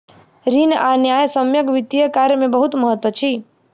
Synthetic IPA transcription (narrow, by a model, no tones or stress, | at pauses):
ɾinanjajsəmjəɡʋit̪ijəkaɾjəmẽbəɦut̪məɦət̪ʋət͡ʃʰi